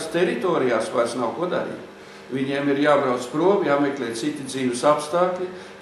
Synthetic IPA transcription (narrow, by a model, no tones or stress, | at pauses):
st̪ʲɛɾit̪ɔːɾijaːsʋajɾsnawkuɔd̪a̰ɾḭːt̪ | ʋʲiɲiɛmiɾjaːbɾawt̪spɾuɔmjaːmeklʲɛːtt̪sit̪id̪ziːʋɪsapst̪aːklʲi